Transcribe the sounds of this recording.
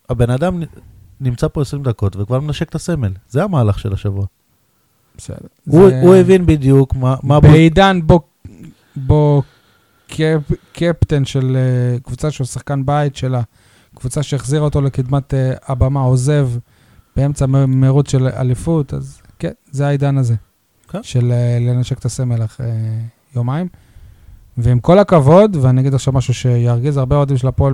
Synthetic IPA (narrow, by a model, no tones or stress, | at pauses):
abe̞nad̪amnimt͡sapo̞esʁimd̪ako̞t̪vekvaʁmenaʃe̞kt̪ase̞melzeamaːlaχʃelaʃavua | b̥esḛd̥̪eʁuuevinbid̪jukmamabeid̪anbo | bo | kʰekʰept̪enʃelekvut͡saʃeusaχkanbait̪ʃe̞la | kvut͡saʃeeχziʁot̪o̞le̞kid̪mat̪eabamaoze̞v | b̥ee̞mt͡saemeʁut͡sʃe̞la̰lifut̪a̰zkenzeaid̪anaze̞ | ʃe̞lele̞naʃe̞kt̪aseme̞leχe | jomaim | veimko̞lakavo̞d̪veaniaɡid̪aχʃavmaʃuʃe̞jaʁɡizaʁbeod̪imʃ̬elapo